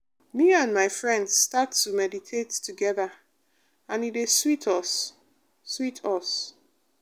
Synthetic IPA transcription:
miãnmaɪfɹɛ̃ndz̥statumɛditʰettuɡɛðə | ãnideswitʰɔsː | witʰɔs

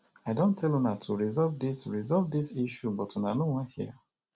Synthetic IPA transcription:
aɪdõntʰɛlũnatʰuɹizɔlvdisɹizɔlvdisiʃubɔtʰũnanowãnhiə

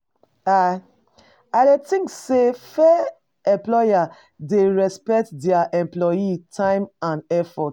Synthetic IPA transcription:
a | adetĩŋksefɛ | ɛ̃mplɔja | deɹɛspɛk̚tdɛaʔɛ̃mplɔjitʰãɪ̃mãnɛfɔt

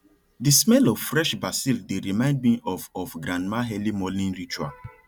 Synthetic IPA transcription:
dismɛlɔvfɹɛʃbasildeɾimãɪ̃nd̚mĩʔɔfɔfɡɾãndmaɦɛlimɔlĩnɹit͡ʃa̰

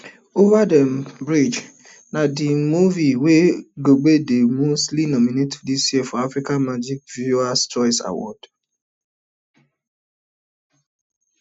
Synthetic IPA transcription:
ovadɛmbɾid͡ʒ | nadɪmuviweɡoɡ͡bedemoslinɔminetdisjefɔafɾikanmad͡ʒik̚vjuast͡ʃɔɾisa̰wɔ̰d̥

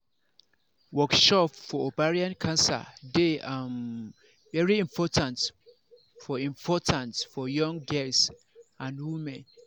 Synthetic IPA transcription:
wɔkʃɔpfɔobaɹiãnkʰãnsa̰deãm | vɛɹiĩmpʰɔtʰãnt | fɔĩmpʰɔtʰãntfɔjɔ̃ŋɡɛls | ãnwũmɛ̃n

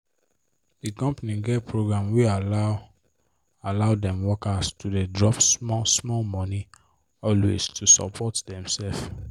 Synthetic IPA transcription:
dikɔ̃mpaniɡɛpʰɹoɡɹãmwiala | alaʊdɛ̃mwɔkastʰudedɹɔpsmɔsmɔlmɔ̃ni | ɔlwḛstʰusɔ̰pʰɔtdɛ̃msɛlf

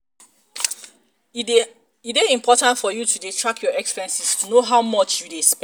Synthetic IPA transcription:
ideĩmpʰɔtãntfɔjutudetʰɹakʰjɔɛkspɛ̃nsistʰunoɦaʊmɔt͡ʃjudesp

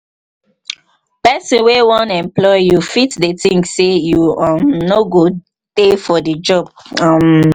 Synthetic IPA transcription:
pɛsĩnwewɔ̃nɛ̃mplɔɪjufitdətĩŋɡsejuãmnoɡo | tefɔdəd͡ʒɔb̚ãm

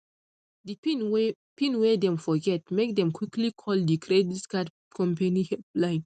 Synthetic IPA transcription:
dip | pĩnwedɛ̃mfɔɡɛt̚mek̚dɛ̃mkwiklikʰɔldikʰɹeditkad | kʰɔ̃mpanihɛlãɪ̃n

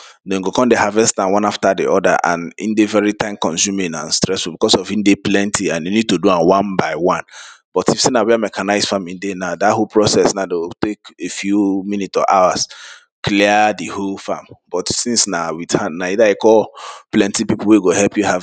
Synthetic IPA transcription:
nõŋɡokɔ̃ndehavɛstãwãnaftadḭɔda̰ʔã̰nḭ̃ndevɛɹitãɪ̃mkɔ̃nsũminã̰nstɹɛsfubikɔsɔvĩndeplɛ̃ntʰiãnjunid̚toduãnwãnbaɪwãnb̥ɔtifsenawɛamɛkʰanaɪz̥fãmĩndenadatholpʰɹɔsɛsnadewiltekefjumĩnitsɔ̰ʔawas | kliədiholfamb̥ɔtsĩnsnawithanaidaekɔplɛ̃ntipipul̩weɡohɛpjuhav

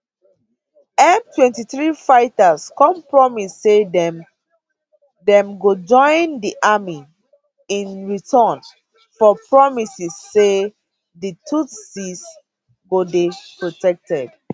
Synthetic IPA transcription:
ɛmtwɛ̃ntiθɹifaɪtaskɔ̃mpɹɔmisːedɛm | dɛ̃mɡod͡ʒɔ̃ɪ̃ndiʔami | ĩnɹitʰɔn | fɔpɹɔmisisːe | ditʰutsis | ɡodipɹotɛk̚tɛd

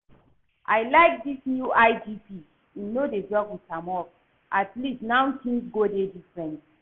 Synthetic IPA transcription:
ʔaɪlaɪk̚disnjuʔaɪd͡ʒipi | inodedɹɔɡwi̥kãmɔk̚ | ʔatlistnãʊ̃tĩnsɡodedifɹɛ̃nt

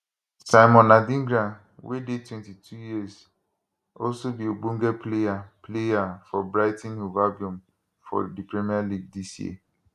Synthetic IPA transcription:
saɪmɔ̃nːadĩŋɡɾa | wedetwɛ̃ntitʰujiəz | ɔlsobiobũŋɡɛplejaplejafɔbɹaɪtɛ̃nuvabjũm | fɔ̰dipɹimialiɡ̚disjḭə

